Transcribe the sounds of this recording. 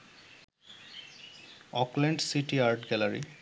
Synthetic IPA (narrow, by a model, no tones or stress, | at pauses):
ɔklɛɳɖsitiaɹʈɡɛlaɹḭ